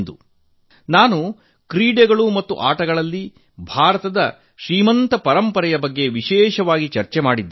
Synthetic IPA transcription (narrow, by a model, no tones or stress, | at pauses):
nd̪u | naːnu | kɾiːɖeɡɐɭumɐt̪ːuʔaːʈɐɡɐɭɐlːi | bʱaːɾɐt̪ɐd̪ɐ̰ | ʃɾiːmɐnt̪ɐpɐɾɐmpɐɾɛjɐbɐɡːe̞ʋiʃɛːʃɐʋaːɡit͡ʃɐɾt͡ʃemaːɽid̪ː